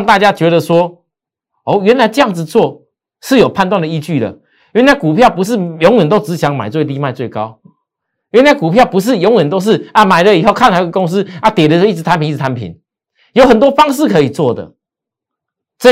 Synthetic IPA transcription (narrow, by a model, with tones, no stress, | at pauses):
ŋt̪a˥˧˩t͡ɕja˥t͡ɕɥɛ˧˥ɾə˨swɔ˥ | ɔ˥˩ɥɛ˧˥nla˧˥ɪʈ͡ʂɤ˥˧jɑ˥˩ŋd͡zɹ̩˨t͡swɔ˥˨ | ʂɻ̩˥˩jo˨˩pʰa˥˧nt̪wa˥˨ndə˨i˧t͡ɕy˥˩d̪ə̰˩ | jɥɛ˧˥˦nla˧˩ku˨˩pʰjɑ˥˩ʊpu˧˦ʂ̬ɻ̩˥˨jɔ˧˦ŋwə˨˩nt̪o˥ʊt͡sɹ̩˧˦ɕjɑ˧˥ŋma̰˨˩ɪt͡swe˥˧t̪i˥˧ma˥˧ɪt͡swe˥˩ɪka˦ʊ | jɛ˧˥nla˧˥ɪku˨˩pʰjɑ˥˩ʊpu˧˥ʂ̬ɻ̩˥˨jɔ˧˥ŋwə˨˩nt̪o˥ʊʂ̬ɻ̩˥˩a˨ma˨˩ɪlə˨i˨˩ɦo˥˧kʰa˥˧nla˨˩˦i˥˧ɡə˧ko˥ŋs̬̩˦a˥˩t̪jɛ˨˩də˨˧ʂi˥˩t͡s̩̪ʰ˧a˧˦npi˨˦i˥˩˧tʰa˧˦npʰḭ˨˩˦n | jo˧˥ʊxə˨˩nt̪wɔ˥fɑ˥ŋʂ̬ɻ̩˥˨kʰɤ˧˥i˨˩t͡swɔ˥˩d̪ə̰˩ | ʈ͡ʂə˥˦